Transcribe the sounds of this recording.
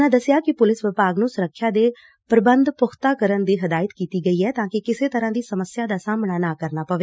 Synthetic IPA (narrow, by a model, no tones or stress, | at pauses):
ãːd̪əsjaːkɪpʊlɪsʋɪpaːɡnũːsʊɾəkʰːjaːd̪eː | pɾəbənd̪pʊxʰt̪aːkəɾənd̪iːɦəd̪aːjət̪kiːt̪iːɡəiːɦɛːt̪ãːkɪkɪseːt̪əɾãːd̪iːsəməsɪjaːd̪aːsaːmnaːnaːkəɾnaːpəʋeː